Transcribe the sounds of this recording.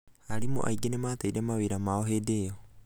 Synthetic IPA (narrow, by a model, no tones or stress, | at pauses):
aɾimo̰ʔa̰jɡenematajdemawejɾamaoɦedeːo